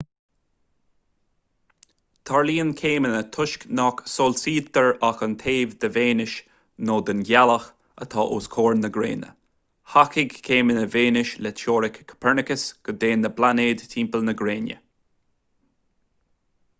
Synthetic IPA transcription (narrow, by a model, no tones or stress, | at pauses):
t̪ʰaɹliːənkʰeːmənət̪ʰʊʃknɔksolsiːdd̪əɹaxənt̪ʰeːvd̪əveːnɪʃ | noːd̪ənɡaləx | ə̰t̪ʰɑːʔoːskʰoːɹnəɡɾḛːnə̰ | hakɪɡkʰeːmənəveːnɪʃlɛt͡ʃoːɾɪkʰkʰːə̥pʰɛɹnɪkəsɡ̥əd̪eːnːəblaneːd̪tʰiːmpəlnəɡɾeːnjə̰